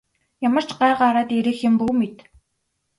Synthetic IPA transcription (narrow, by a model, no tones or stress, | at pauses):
jamə̆r̥t͡ɕɢaɢaɾaːt̪eɾɘ̆xɪ̆mpuːmet̪